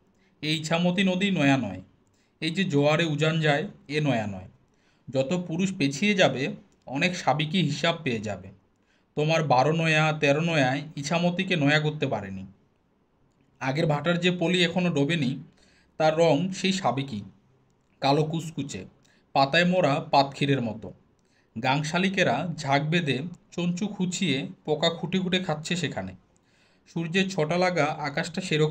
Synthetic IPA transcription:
eit͡ɕʰamot̪inod̪ijnɔeanɔe | ejd͡ʑed͡ʑoaɾeud͡ʑand͡ʑaeenɔeanɔ̰e | d͡ʑɔt̪opuɾuʃpet͡ɕʰijed͡ʑabe | ɔnekʃabikiɦiʃab̚peed͡ʑa̰be | t̪omaɾbaɾonɔeat̪ɛɾonɔeaeit͡ɕʰamot̪ikenɔeaɡoɾt̪ːepaɾeni | aɡeɾbʱaʈaɾd͡ʑepoliɛkʰonoɖobeni | t̪aɾːɔŋʃejʃabeki | kalokuskut͡ɕḛ | pat̪aemɔɾapat̪kʰiɾeɾmɔt̪o | ɡaŋʃalikeɾad͡ʑʱak̚bed̪ʱet͡ɕont͡ɕukʰut͡ɕʰiepɔkakʰuʈiɡʱuʈekʰatːɕʰeʃekʰane | ʃuɾd͡ʑet͡ɕʰɔʈalaɡaʔakaʃʈaʃeɾo

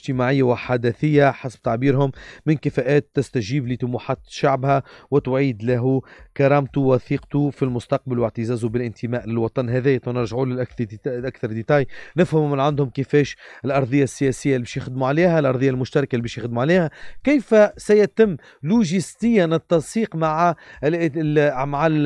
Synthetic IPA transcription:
ʒt̪ɪmaʕɪjːawɪħad̪æθɪjːaħasb̚t̪aʕbiːɾɦʊmːɪnkɪfæʔæːt̪ːɪst̪æʒiːblit̪ʊmuħat̪ʃaʕbhæwɪt̪ʊʕiːd̪læɦukɑɾˤɑːmt̪uwɑθiːqt̪ufilmʊst̪ɑq̚balwɪʕt̪ɪzæːzubɪlʔɪnt̪ʰɪmæːʔlɪlwɑt̪ˤɑnɦɛðɛːjt̪ˤɑnɪɾʒaʕuːlɪʔʔakθɑɾˤd̪et̪ɑːjnɪfhɪmumɪnʕand̪hʊmkɪfɛːʃɪlʔɑɾˤðˤəjːasːɪjæsɪjːalbɛːʃjɪxd̪muʕaliːhælʔɑɾˤðˤəjːalmʊʃt̪ɑɾˤɑkalbɛːʃjɪxd̪muʕaliːhækɪjfæsæjæt̪ɪmː | luʒist̪ɪjːanɪt̪ːɑnsiːqmaʕa | maʕal

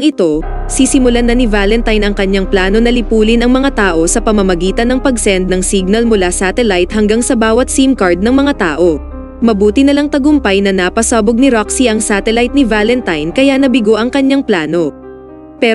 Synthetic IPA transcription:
ŋʔɪt̪o̞ | sisɪmʊlanɐnivaːlɛnt̪ɐjnɐŋkɐɲaŋplaːno̞nɐlɪpuːlɪnɐŋmɐŋat̪aːʔo̞sɐpɐmɐmɐɡiːt̪ɐnːɐŋpɐɡsɛnd̪̚nɐŋsiɡ̚nɐlmʊlasat̪ɛlajt̪̚hɐŋɡaŋsɐbaːwɐt̪̚simkɐɹd̪̚nɐŋmɐŋat̪aːʔo̞ | mɐbuːt̪ɪnɐlaŋt̪ɐɡʊmpɐjnɐnapɐsaːboɡ̚nɪɾoksiʔɐŋsat̪ɛlajt̪̚nɪvaːlɛnt̪ajnkɐjanɐbɪɡo̞ʔɐŋkɐɲaŋplaːno̞ | pɛ

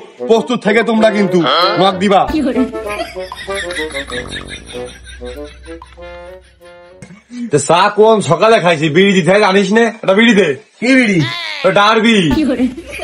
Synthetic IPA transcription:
post̪ut̪ʰːaket̪umɾak̬int̪uɦuak̚d̪iba | t̪esakonsʰɔkalekʰajsʰibiɽid̪it̪ʰɛjaniʃ̬neɛʈabiɽid̪e | kibiɽiɔɖaɾbii

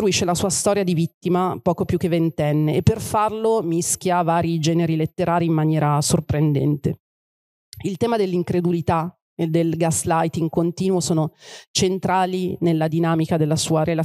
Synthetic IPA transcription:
ɾuiʃːelasuːast̪ɔːɾjad̪ivit̪ːimapɔːkopjuk̟ːevːent̪ɛnːeːpːerfarlomisk̟ʲjavaːɾid͡ʒɛːneɾilet̪ːeɾaːɾiːmːanjɛːɾasorpɾend̪ɛ̰nt̪e | ilt̪ɛːmad̪elːiŋkɾed̪ulit̪a | ed̪elɡaslajt̪iŋkont̪iːnwosoːnot͡ʃent̪ɾaːlinelːad̪inaːmikad̪elːasuːaɾela

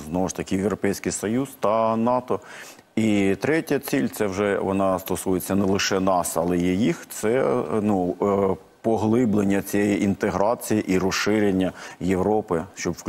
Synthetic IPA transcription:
znɔʋʊʃt̪ɐkʲɪjewɾɔpɛjsʲkɪjsɔjuzt̪ɐnɑt̪ɔ | it̪ɾɛtʲɐt͡sʲilʲt̪sɛwʒɛʋɔnɑst̪ɔsujet͡sʲːɐnɛlˠɪʃɛnɑsɐlˠɛjɛjixt̪sɛnu | pɔɦlˠɪblˠenʲːɐt͡sʲijɛjiʔint̪eɦɾɑt͡sʲijiʔiɾɔsɪɾʲenʲːɐjeʋɾɔpɪʃt͡ʃɔbʋ

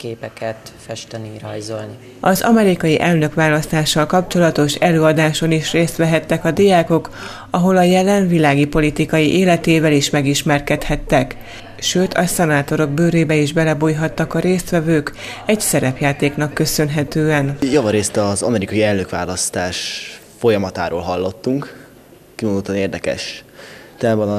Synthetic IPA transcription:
keːpɛkɛt̪fɛʃt̪ɛniɾɒ̰jzolni | ɒzɒmɛɾikɒjiʔɛlnø̞kʋaːlɒst̪aːʃːɒlkɒpt͡ʃo̞lɒt̪o̞ʃɛløːɒd̪aːʃo̞niʃreːst̪ʋɛɦɛt̪ːɛkɒd̪ijaːko̞k | ɒɦo̞lɒjɛlɛɱvilaːɡipo̞lit̪ikɒjiʔeːlɛt̪eːvɛliʃmɛɡiʃmɛrkɛt̪hɛt̪ːɛk | ʃøːt̪ʰɒsɛnaːt̪o̞ɾo̞ɡ̚bøːɾeːbɛiʒbɛlɛbuːjɦɒt̪ːɒkɒɾeːst̪ʋɛvøːk | ɛɟsɛɾɛpjaːt̪eːknɒkːø̞sø̞nɦɛt̪øːɛnjɒvɒɾeːst̪ɒzɒ̰mɛɾikɒjiɛlnøkʋa̰ːlɒst̪aːʃ | fo̞jɒmɒt̪a̰ːɾo̰ːlɦɒlːo̞t̪ːuŋk | kivod̪ot̪ːɒneːrd̪ɛkɛ̰ʃt̪ɛaːbɒn

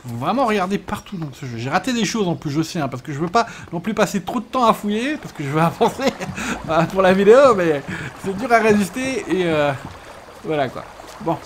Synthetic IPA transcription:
kəvuvʁɛmɑ̃ʁəɡaʁd̪epaʁt̪ud̪ɑ̃səʒøʒeʁat̪ed̪eʃozɑ̃plysosiɛ̃paʁsə̥kəʒəvøpanɔ̃plypaset̪χod̪ət̪ɑ̃afujepaʁsə̥kəʒəvøavɑ̃seøpuʁlavid̪eomɛsɛd̪yʁaʁezyst̪eːø | vwalakwa̰ | bɔ̃

